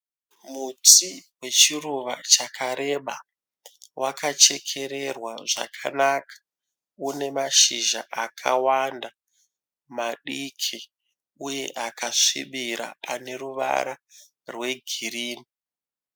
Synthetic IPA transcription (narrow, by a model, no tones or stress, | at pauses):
mutiwe̞t͡ʃiruʋa̰t͡ʃakʰaɾe̞ɓa | wʔakat͡ʃe̞kʰe̞ɾe̞rwaʐa̰kʰa̰nakʰḁ | une̞maʃiʒa̰ʔakʰa̰wanda | maɗikʰi | uje̞̰ʔakaʂḭɓiɾa̰a̰ne̞ɾuʋa̰ɾa | rwe̞ɡʱiɾiːni